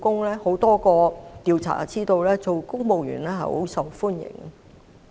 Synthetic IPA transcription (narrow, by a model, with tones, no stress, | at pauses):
kʊ˥ŋlɛː˥ho˨˥wt̪ɔː˥kɔː˧t̪iː˨wt͡sʰa̰ː˨˩˦t͡siː˥t̪o˨˧wlɛː˥t͡so˨wkʊ˥ŋmo˨˧wjy̰ː˨˩nlɛ˥ɦɐ̰˨ho˨˥wsɐ˨wfuː˥njɪ̰˨˩ŋə˨